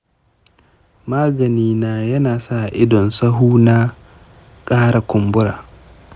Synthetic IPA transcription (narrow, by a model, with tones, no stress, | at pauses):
maː˦ɡɐ˨niː˦naː˨jɐ˦naː˨sa˦˨ʔɪ˦dɔ˨nsɐ˦ɦuː˦na˦ | kʼaː˦ɾa˨kʷʊ˨mbʊ˦ɾa̰ː˨